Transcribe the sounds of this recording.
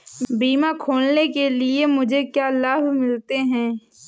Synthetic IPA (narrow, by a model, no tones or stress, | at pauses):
biːmakʰoːlnekeliemʊd͡ʒʱekjalaːbʱmɪlt̪eɦɛ̃ː